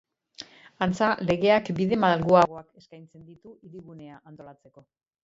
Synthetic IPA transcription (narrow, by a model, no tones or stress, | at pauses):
ant͡sale̞ɣe̞akbiðe̞malɣuaɣo̞ake̞skajnt͡se̞nd̪it̪uʔiɾiɣune̞aʔant̪o̞lat͡se̞ko̞